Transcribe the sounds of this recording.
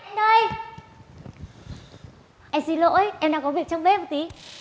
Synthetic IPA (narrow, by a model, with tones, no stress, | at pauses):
ɗəː˧j | ʔɛ˧˩si˧˩lo̰˧˥jʔɛ˧mɗaː˧˩kɔ˨˦vi˨˩ək̚t͡ɕɔ˧wŋ͡mɓe˧˦mo˨˩t̚t̪i˨˦